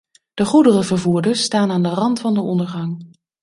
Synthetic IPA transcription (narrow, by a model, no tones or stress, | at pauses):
d̥əχudərəvəɹvuːɹdəɹstaːnaːndərɑntfɑndəɔndəɹχɑŋ